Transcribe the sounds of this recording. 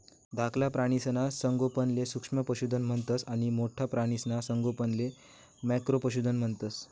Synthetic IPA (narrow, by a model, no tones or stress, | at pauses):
d̪ʱakʰlapɾaɽ̃isnasəŋɡopənlesukʂməpəɕud̪ʱənm̤əɳt̪əsaɽ̃imoʈʰapɾaɽ̃isənasəŋɡopənle | mɛkɾopəɕ̬ud̪ʱənm̤əɳt̪əs